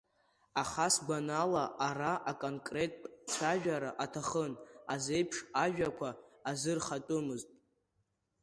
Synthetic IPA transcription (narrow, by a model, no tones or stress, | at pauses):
aχasɡʷanalaʔaraʔakʼonkʼre̞tʼt͡sʰaʒᶣaɾaʔatʰaχənazejpʰʂaʒᶣakʷʰaːzɨrχatʼɨmɨztʼ